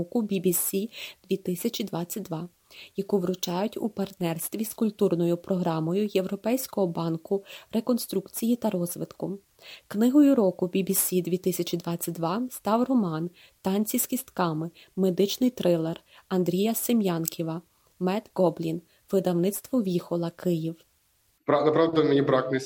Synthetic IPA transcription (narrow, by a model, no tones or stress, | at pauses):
ɔkʊbʲibʲisʲid̪̥ʋʲit̪ɪsʲɐt͡ʃʲid̪ʋɑt͡sʲːɐt̚ʲd̪ʋɑ | jɐkuʋɾʊt͡ʃɑjʊtʲṵpɐrt̪nɛrst̪ʋʲiskʊlʲt̪urnɔjʊpɾɔɦɾɑmɔjʊjewɾɔpɛjsʲkɔɦɔbɑnkʊɾekɔnst̪ɾukt͡sʲijit̪ɐɾɔzʋɪt̪kʊ | knɪɦɔjʊɾɔkʊbʲibʲisʲid̪ʲʋʲit̪ɪsʲɐt͡ʃʲid̪ʋɑt͡sʲːɐt̚ʲd̪ʋɑst̪ɑwrɔmɑn | t̪ɑnʲt͡sʲisʲkʲist̪kɑmɪ | med̪ɪt͡ʃnɪjt̪ɾɪlˠer | ɐnd̪ɾʲijɐsemjɑnkʲʰiʋɐ | mɛt̪ɡɔblʲin | ʋɪd̪ɐwnɪt̪st̪ʋɔʋʲixɔlˠɐkɪjiw | ɾnɐpɾɑd̪ɐmnʲibɾɑknɪ